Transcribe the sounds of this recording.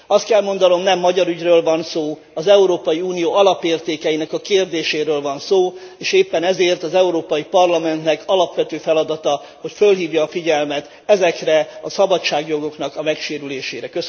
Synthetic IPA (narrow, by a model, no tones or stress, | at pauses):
ɒst̪kɛlmo̞nd̪ɒno̞mnɛmːɒɟɒɾyɟrøːlvɒnsoː | ɒzɛuɾoːpɒjiuːnijoːɒlɒpeːrt̪eːkɛjinɛkɒkeːrd̪eːʃeːɾøːlvɒnsoː | eːʃeːpːɛnɛzeːrt̪ɒzɛuɾoːpɒjipɒrlɒmɛnt̪nɛkɒlɒpʋɛt̪øːfɛlɒd̪ɒt̪ɒ | ho̞cfølɦiːvjɒːfiɟɛlmɛt̪ | ɛzɛkrɛɒsɒbɒt͡ʃːaːɡjo̞ɡo̞knɒkɒmɛkʃeːɾyleːʃeːɾɛkøs